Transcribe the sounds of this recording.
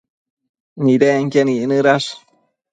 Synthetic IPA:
niɾeŋkeninɨɾaʂ

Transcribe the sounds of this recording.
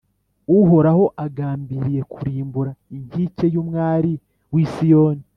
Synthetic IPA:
uɦo̞ɾaho̞ʔaɡaːmbiɾije̞kuɾiːmbuɾaiɲhice̞jumŋaːɾi | wiːsijo̞ːni

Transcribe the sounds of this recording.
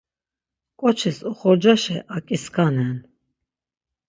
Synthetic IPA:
kʼɔt͡ʃʰisuχɔɾd͡ʒaʃɛʔakʼiskʰanɛn

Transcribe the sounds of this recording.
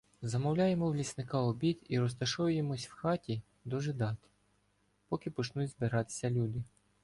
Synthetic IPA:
zɐmɔwlʲɑjemɔwlʲisnɪkɑɔbʲid̪iɾɔst̪ɐʃɔjʊjemɔsʲwxɑtʲi | d̪ɔʒɪd̪ɑt̪ | pɔkʲɪpɔt͡ʃnut͡sʲzbɪɾɑt̪ɪ̥sʲɐlʲud̪ɪ

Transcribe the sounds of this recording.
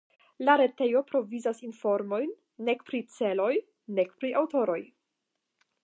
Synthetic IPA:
laɾe̞te̞jo̞pɾo̞vizasinfo̞ɾmo̞jnː | e̞kpɾit͡se̞lo̞j | ne̞kpɾiʔawto̞ɾo̞j

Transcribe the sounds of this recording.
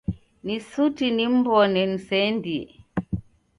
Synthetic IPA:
nisutinimbɔnɛnisɛndiɛ̰

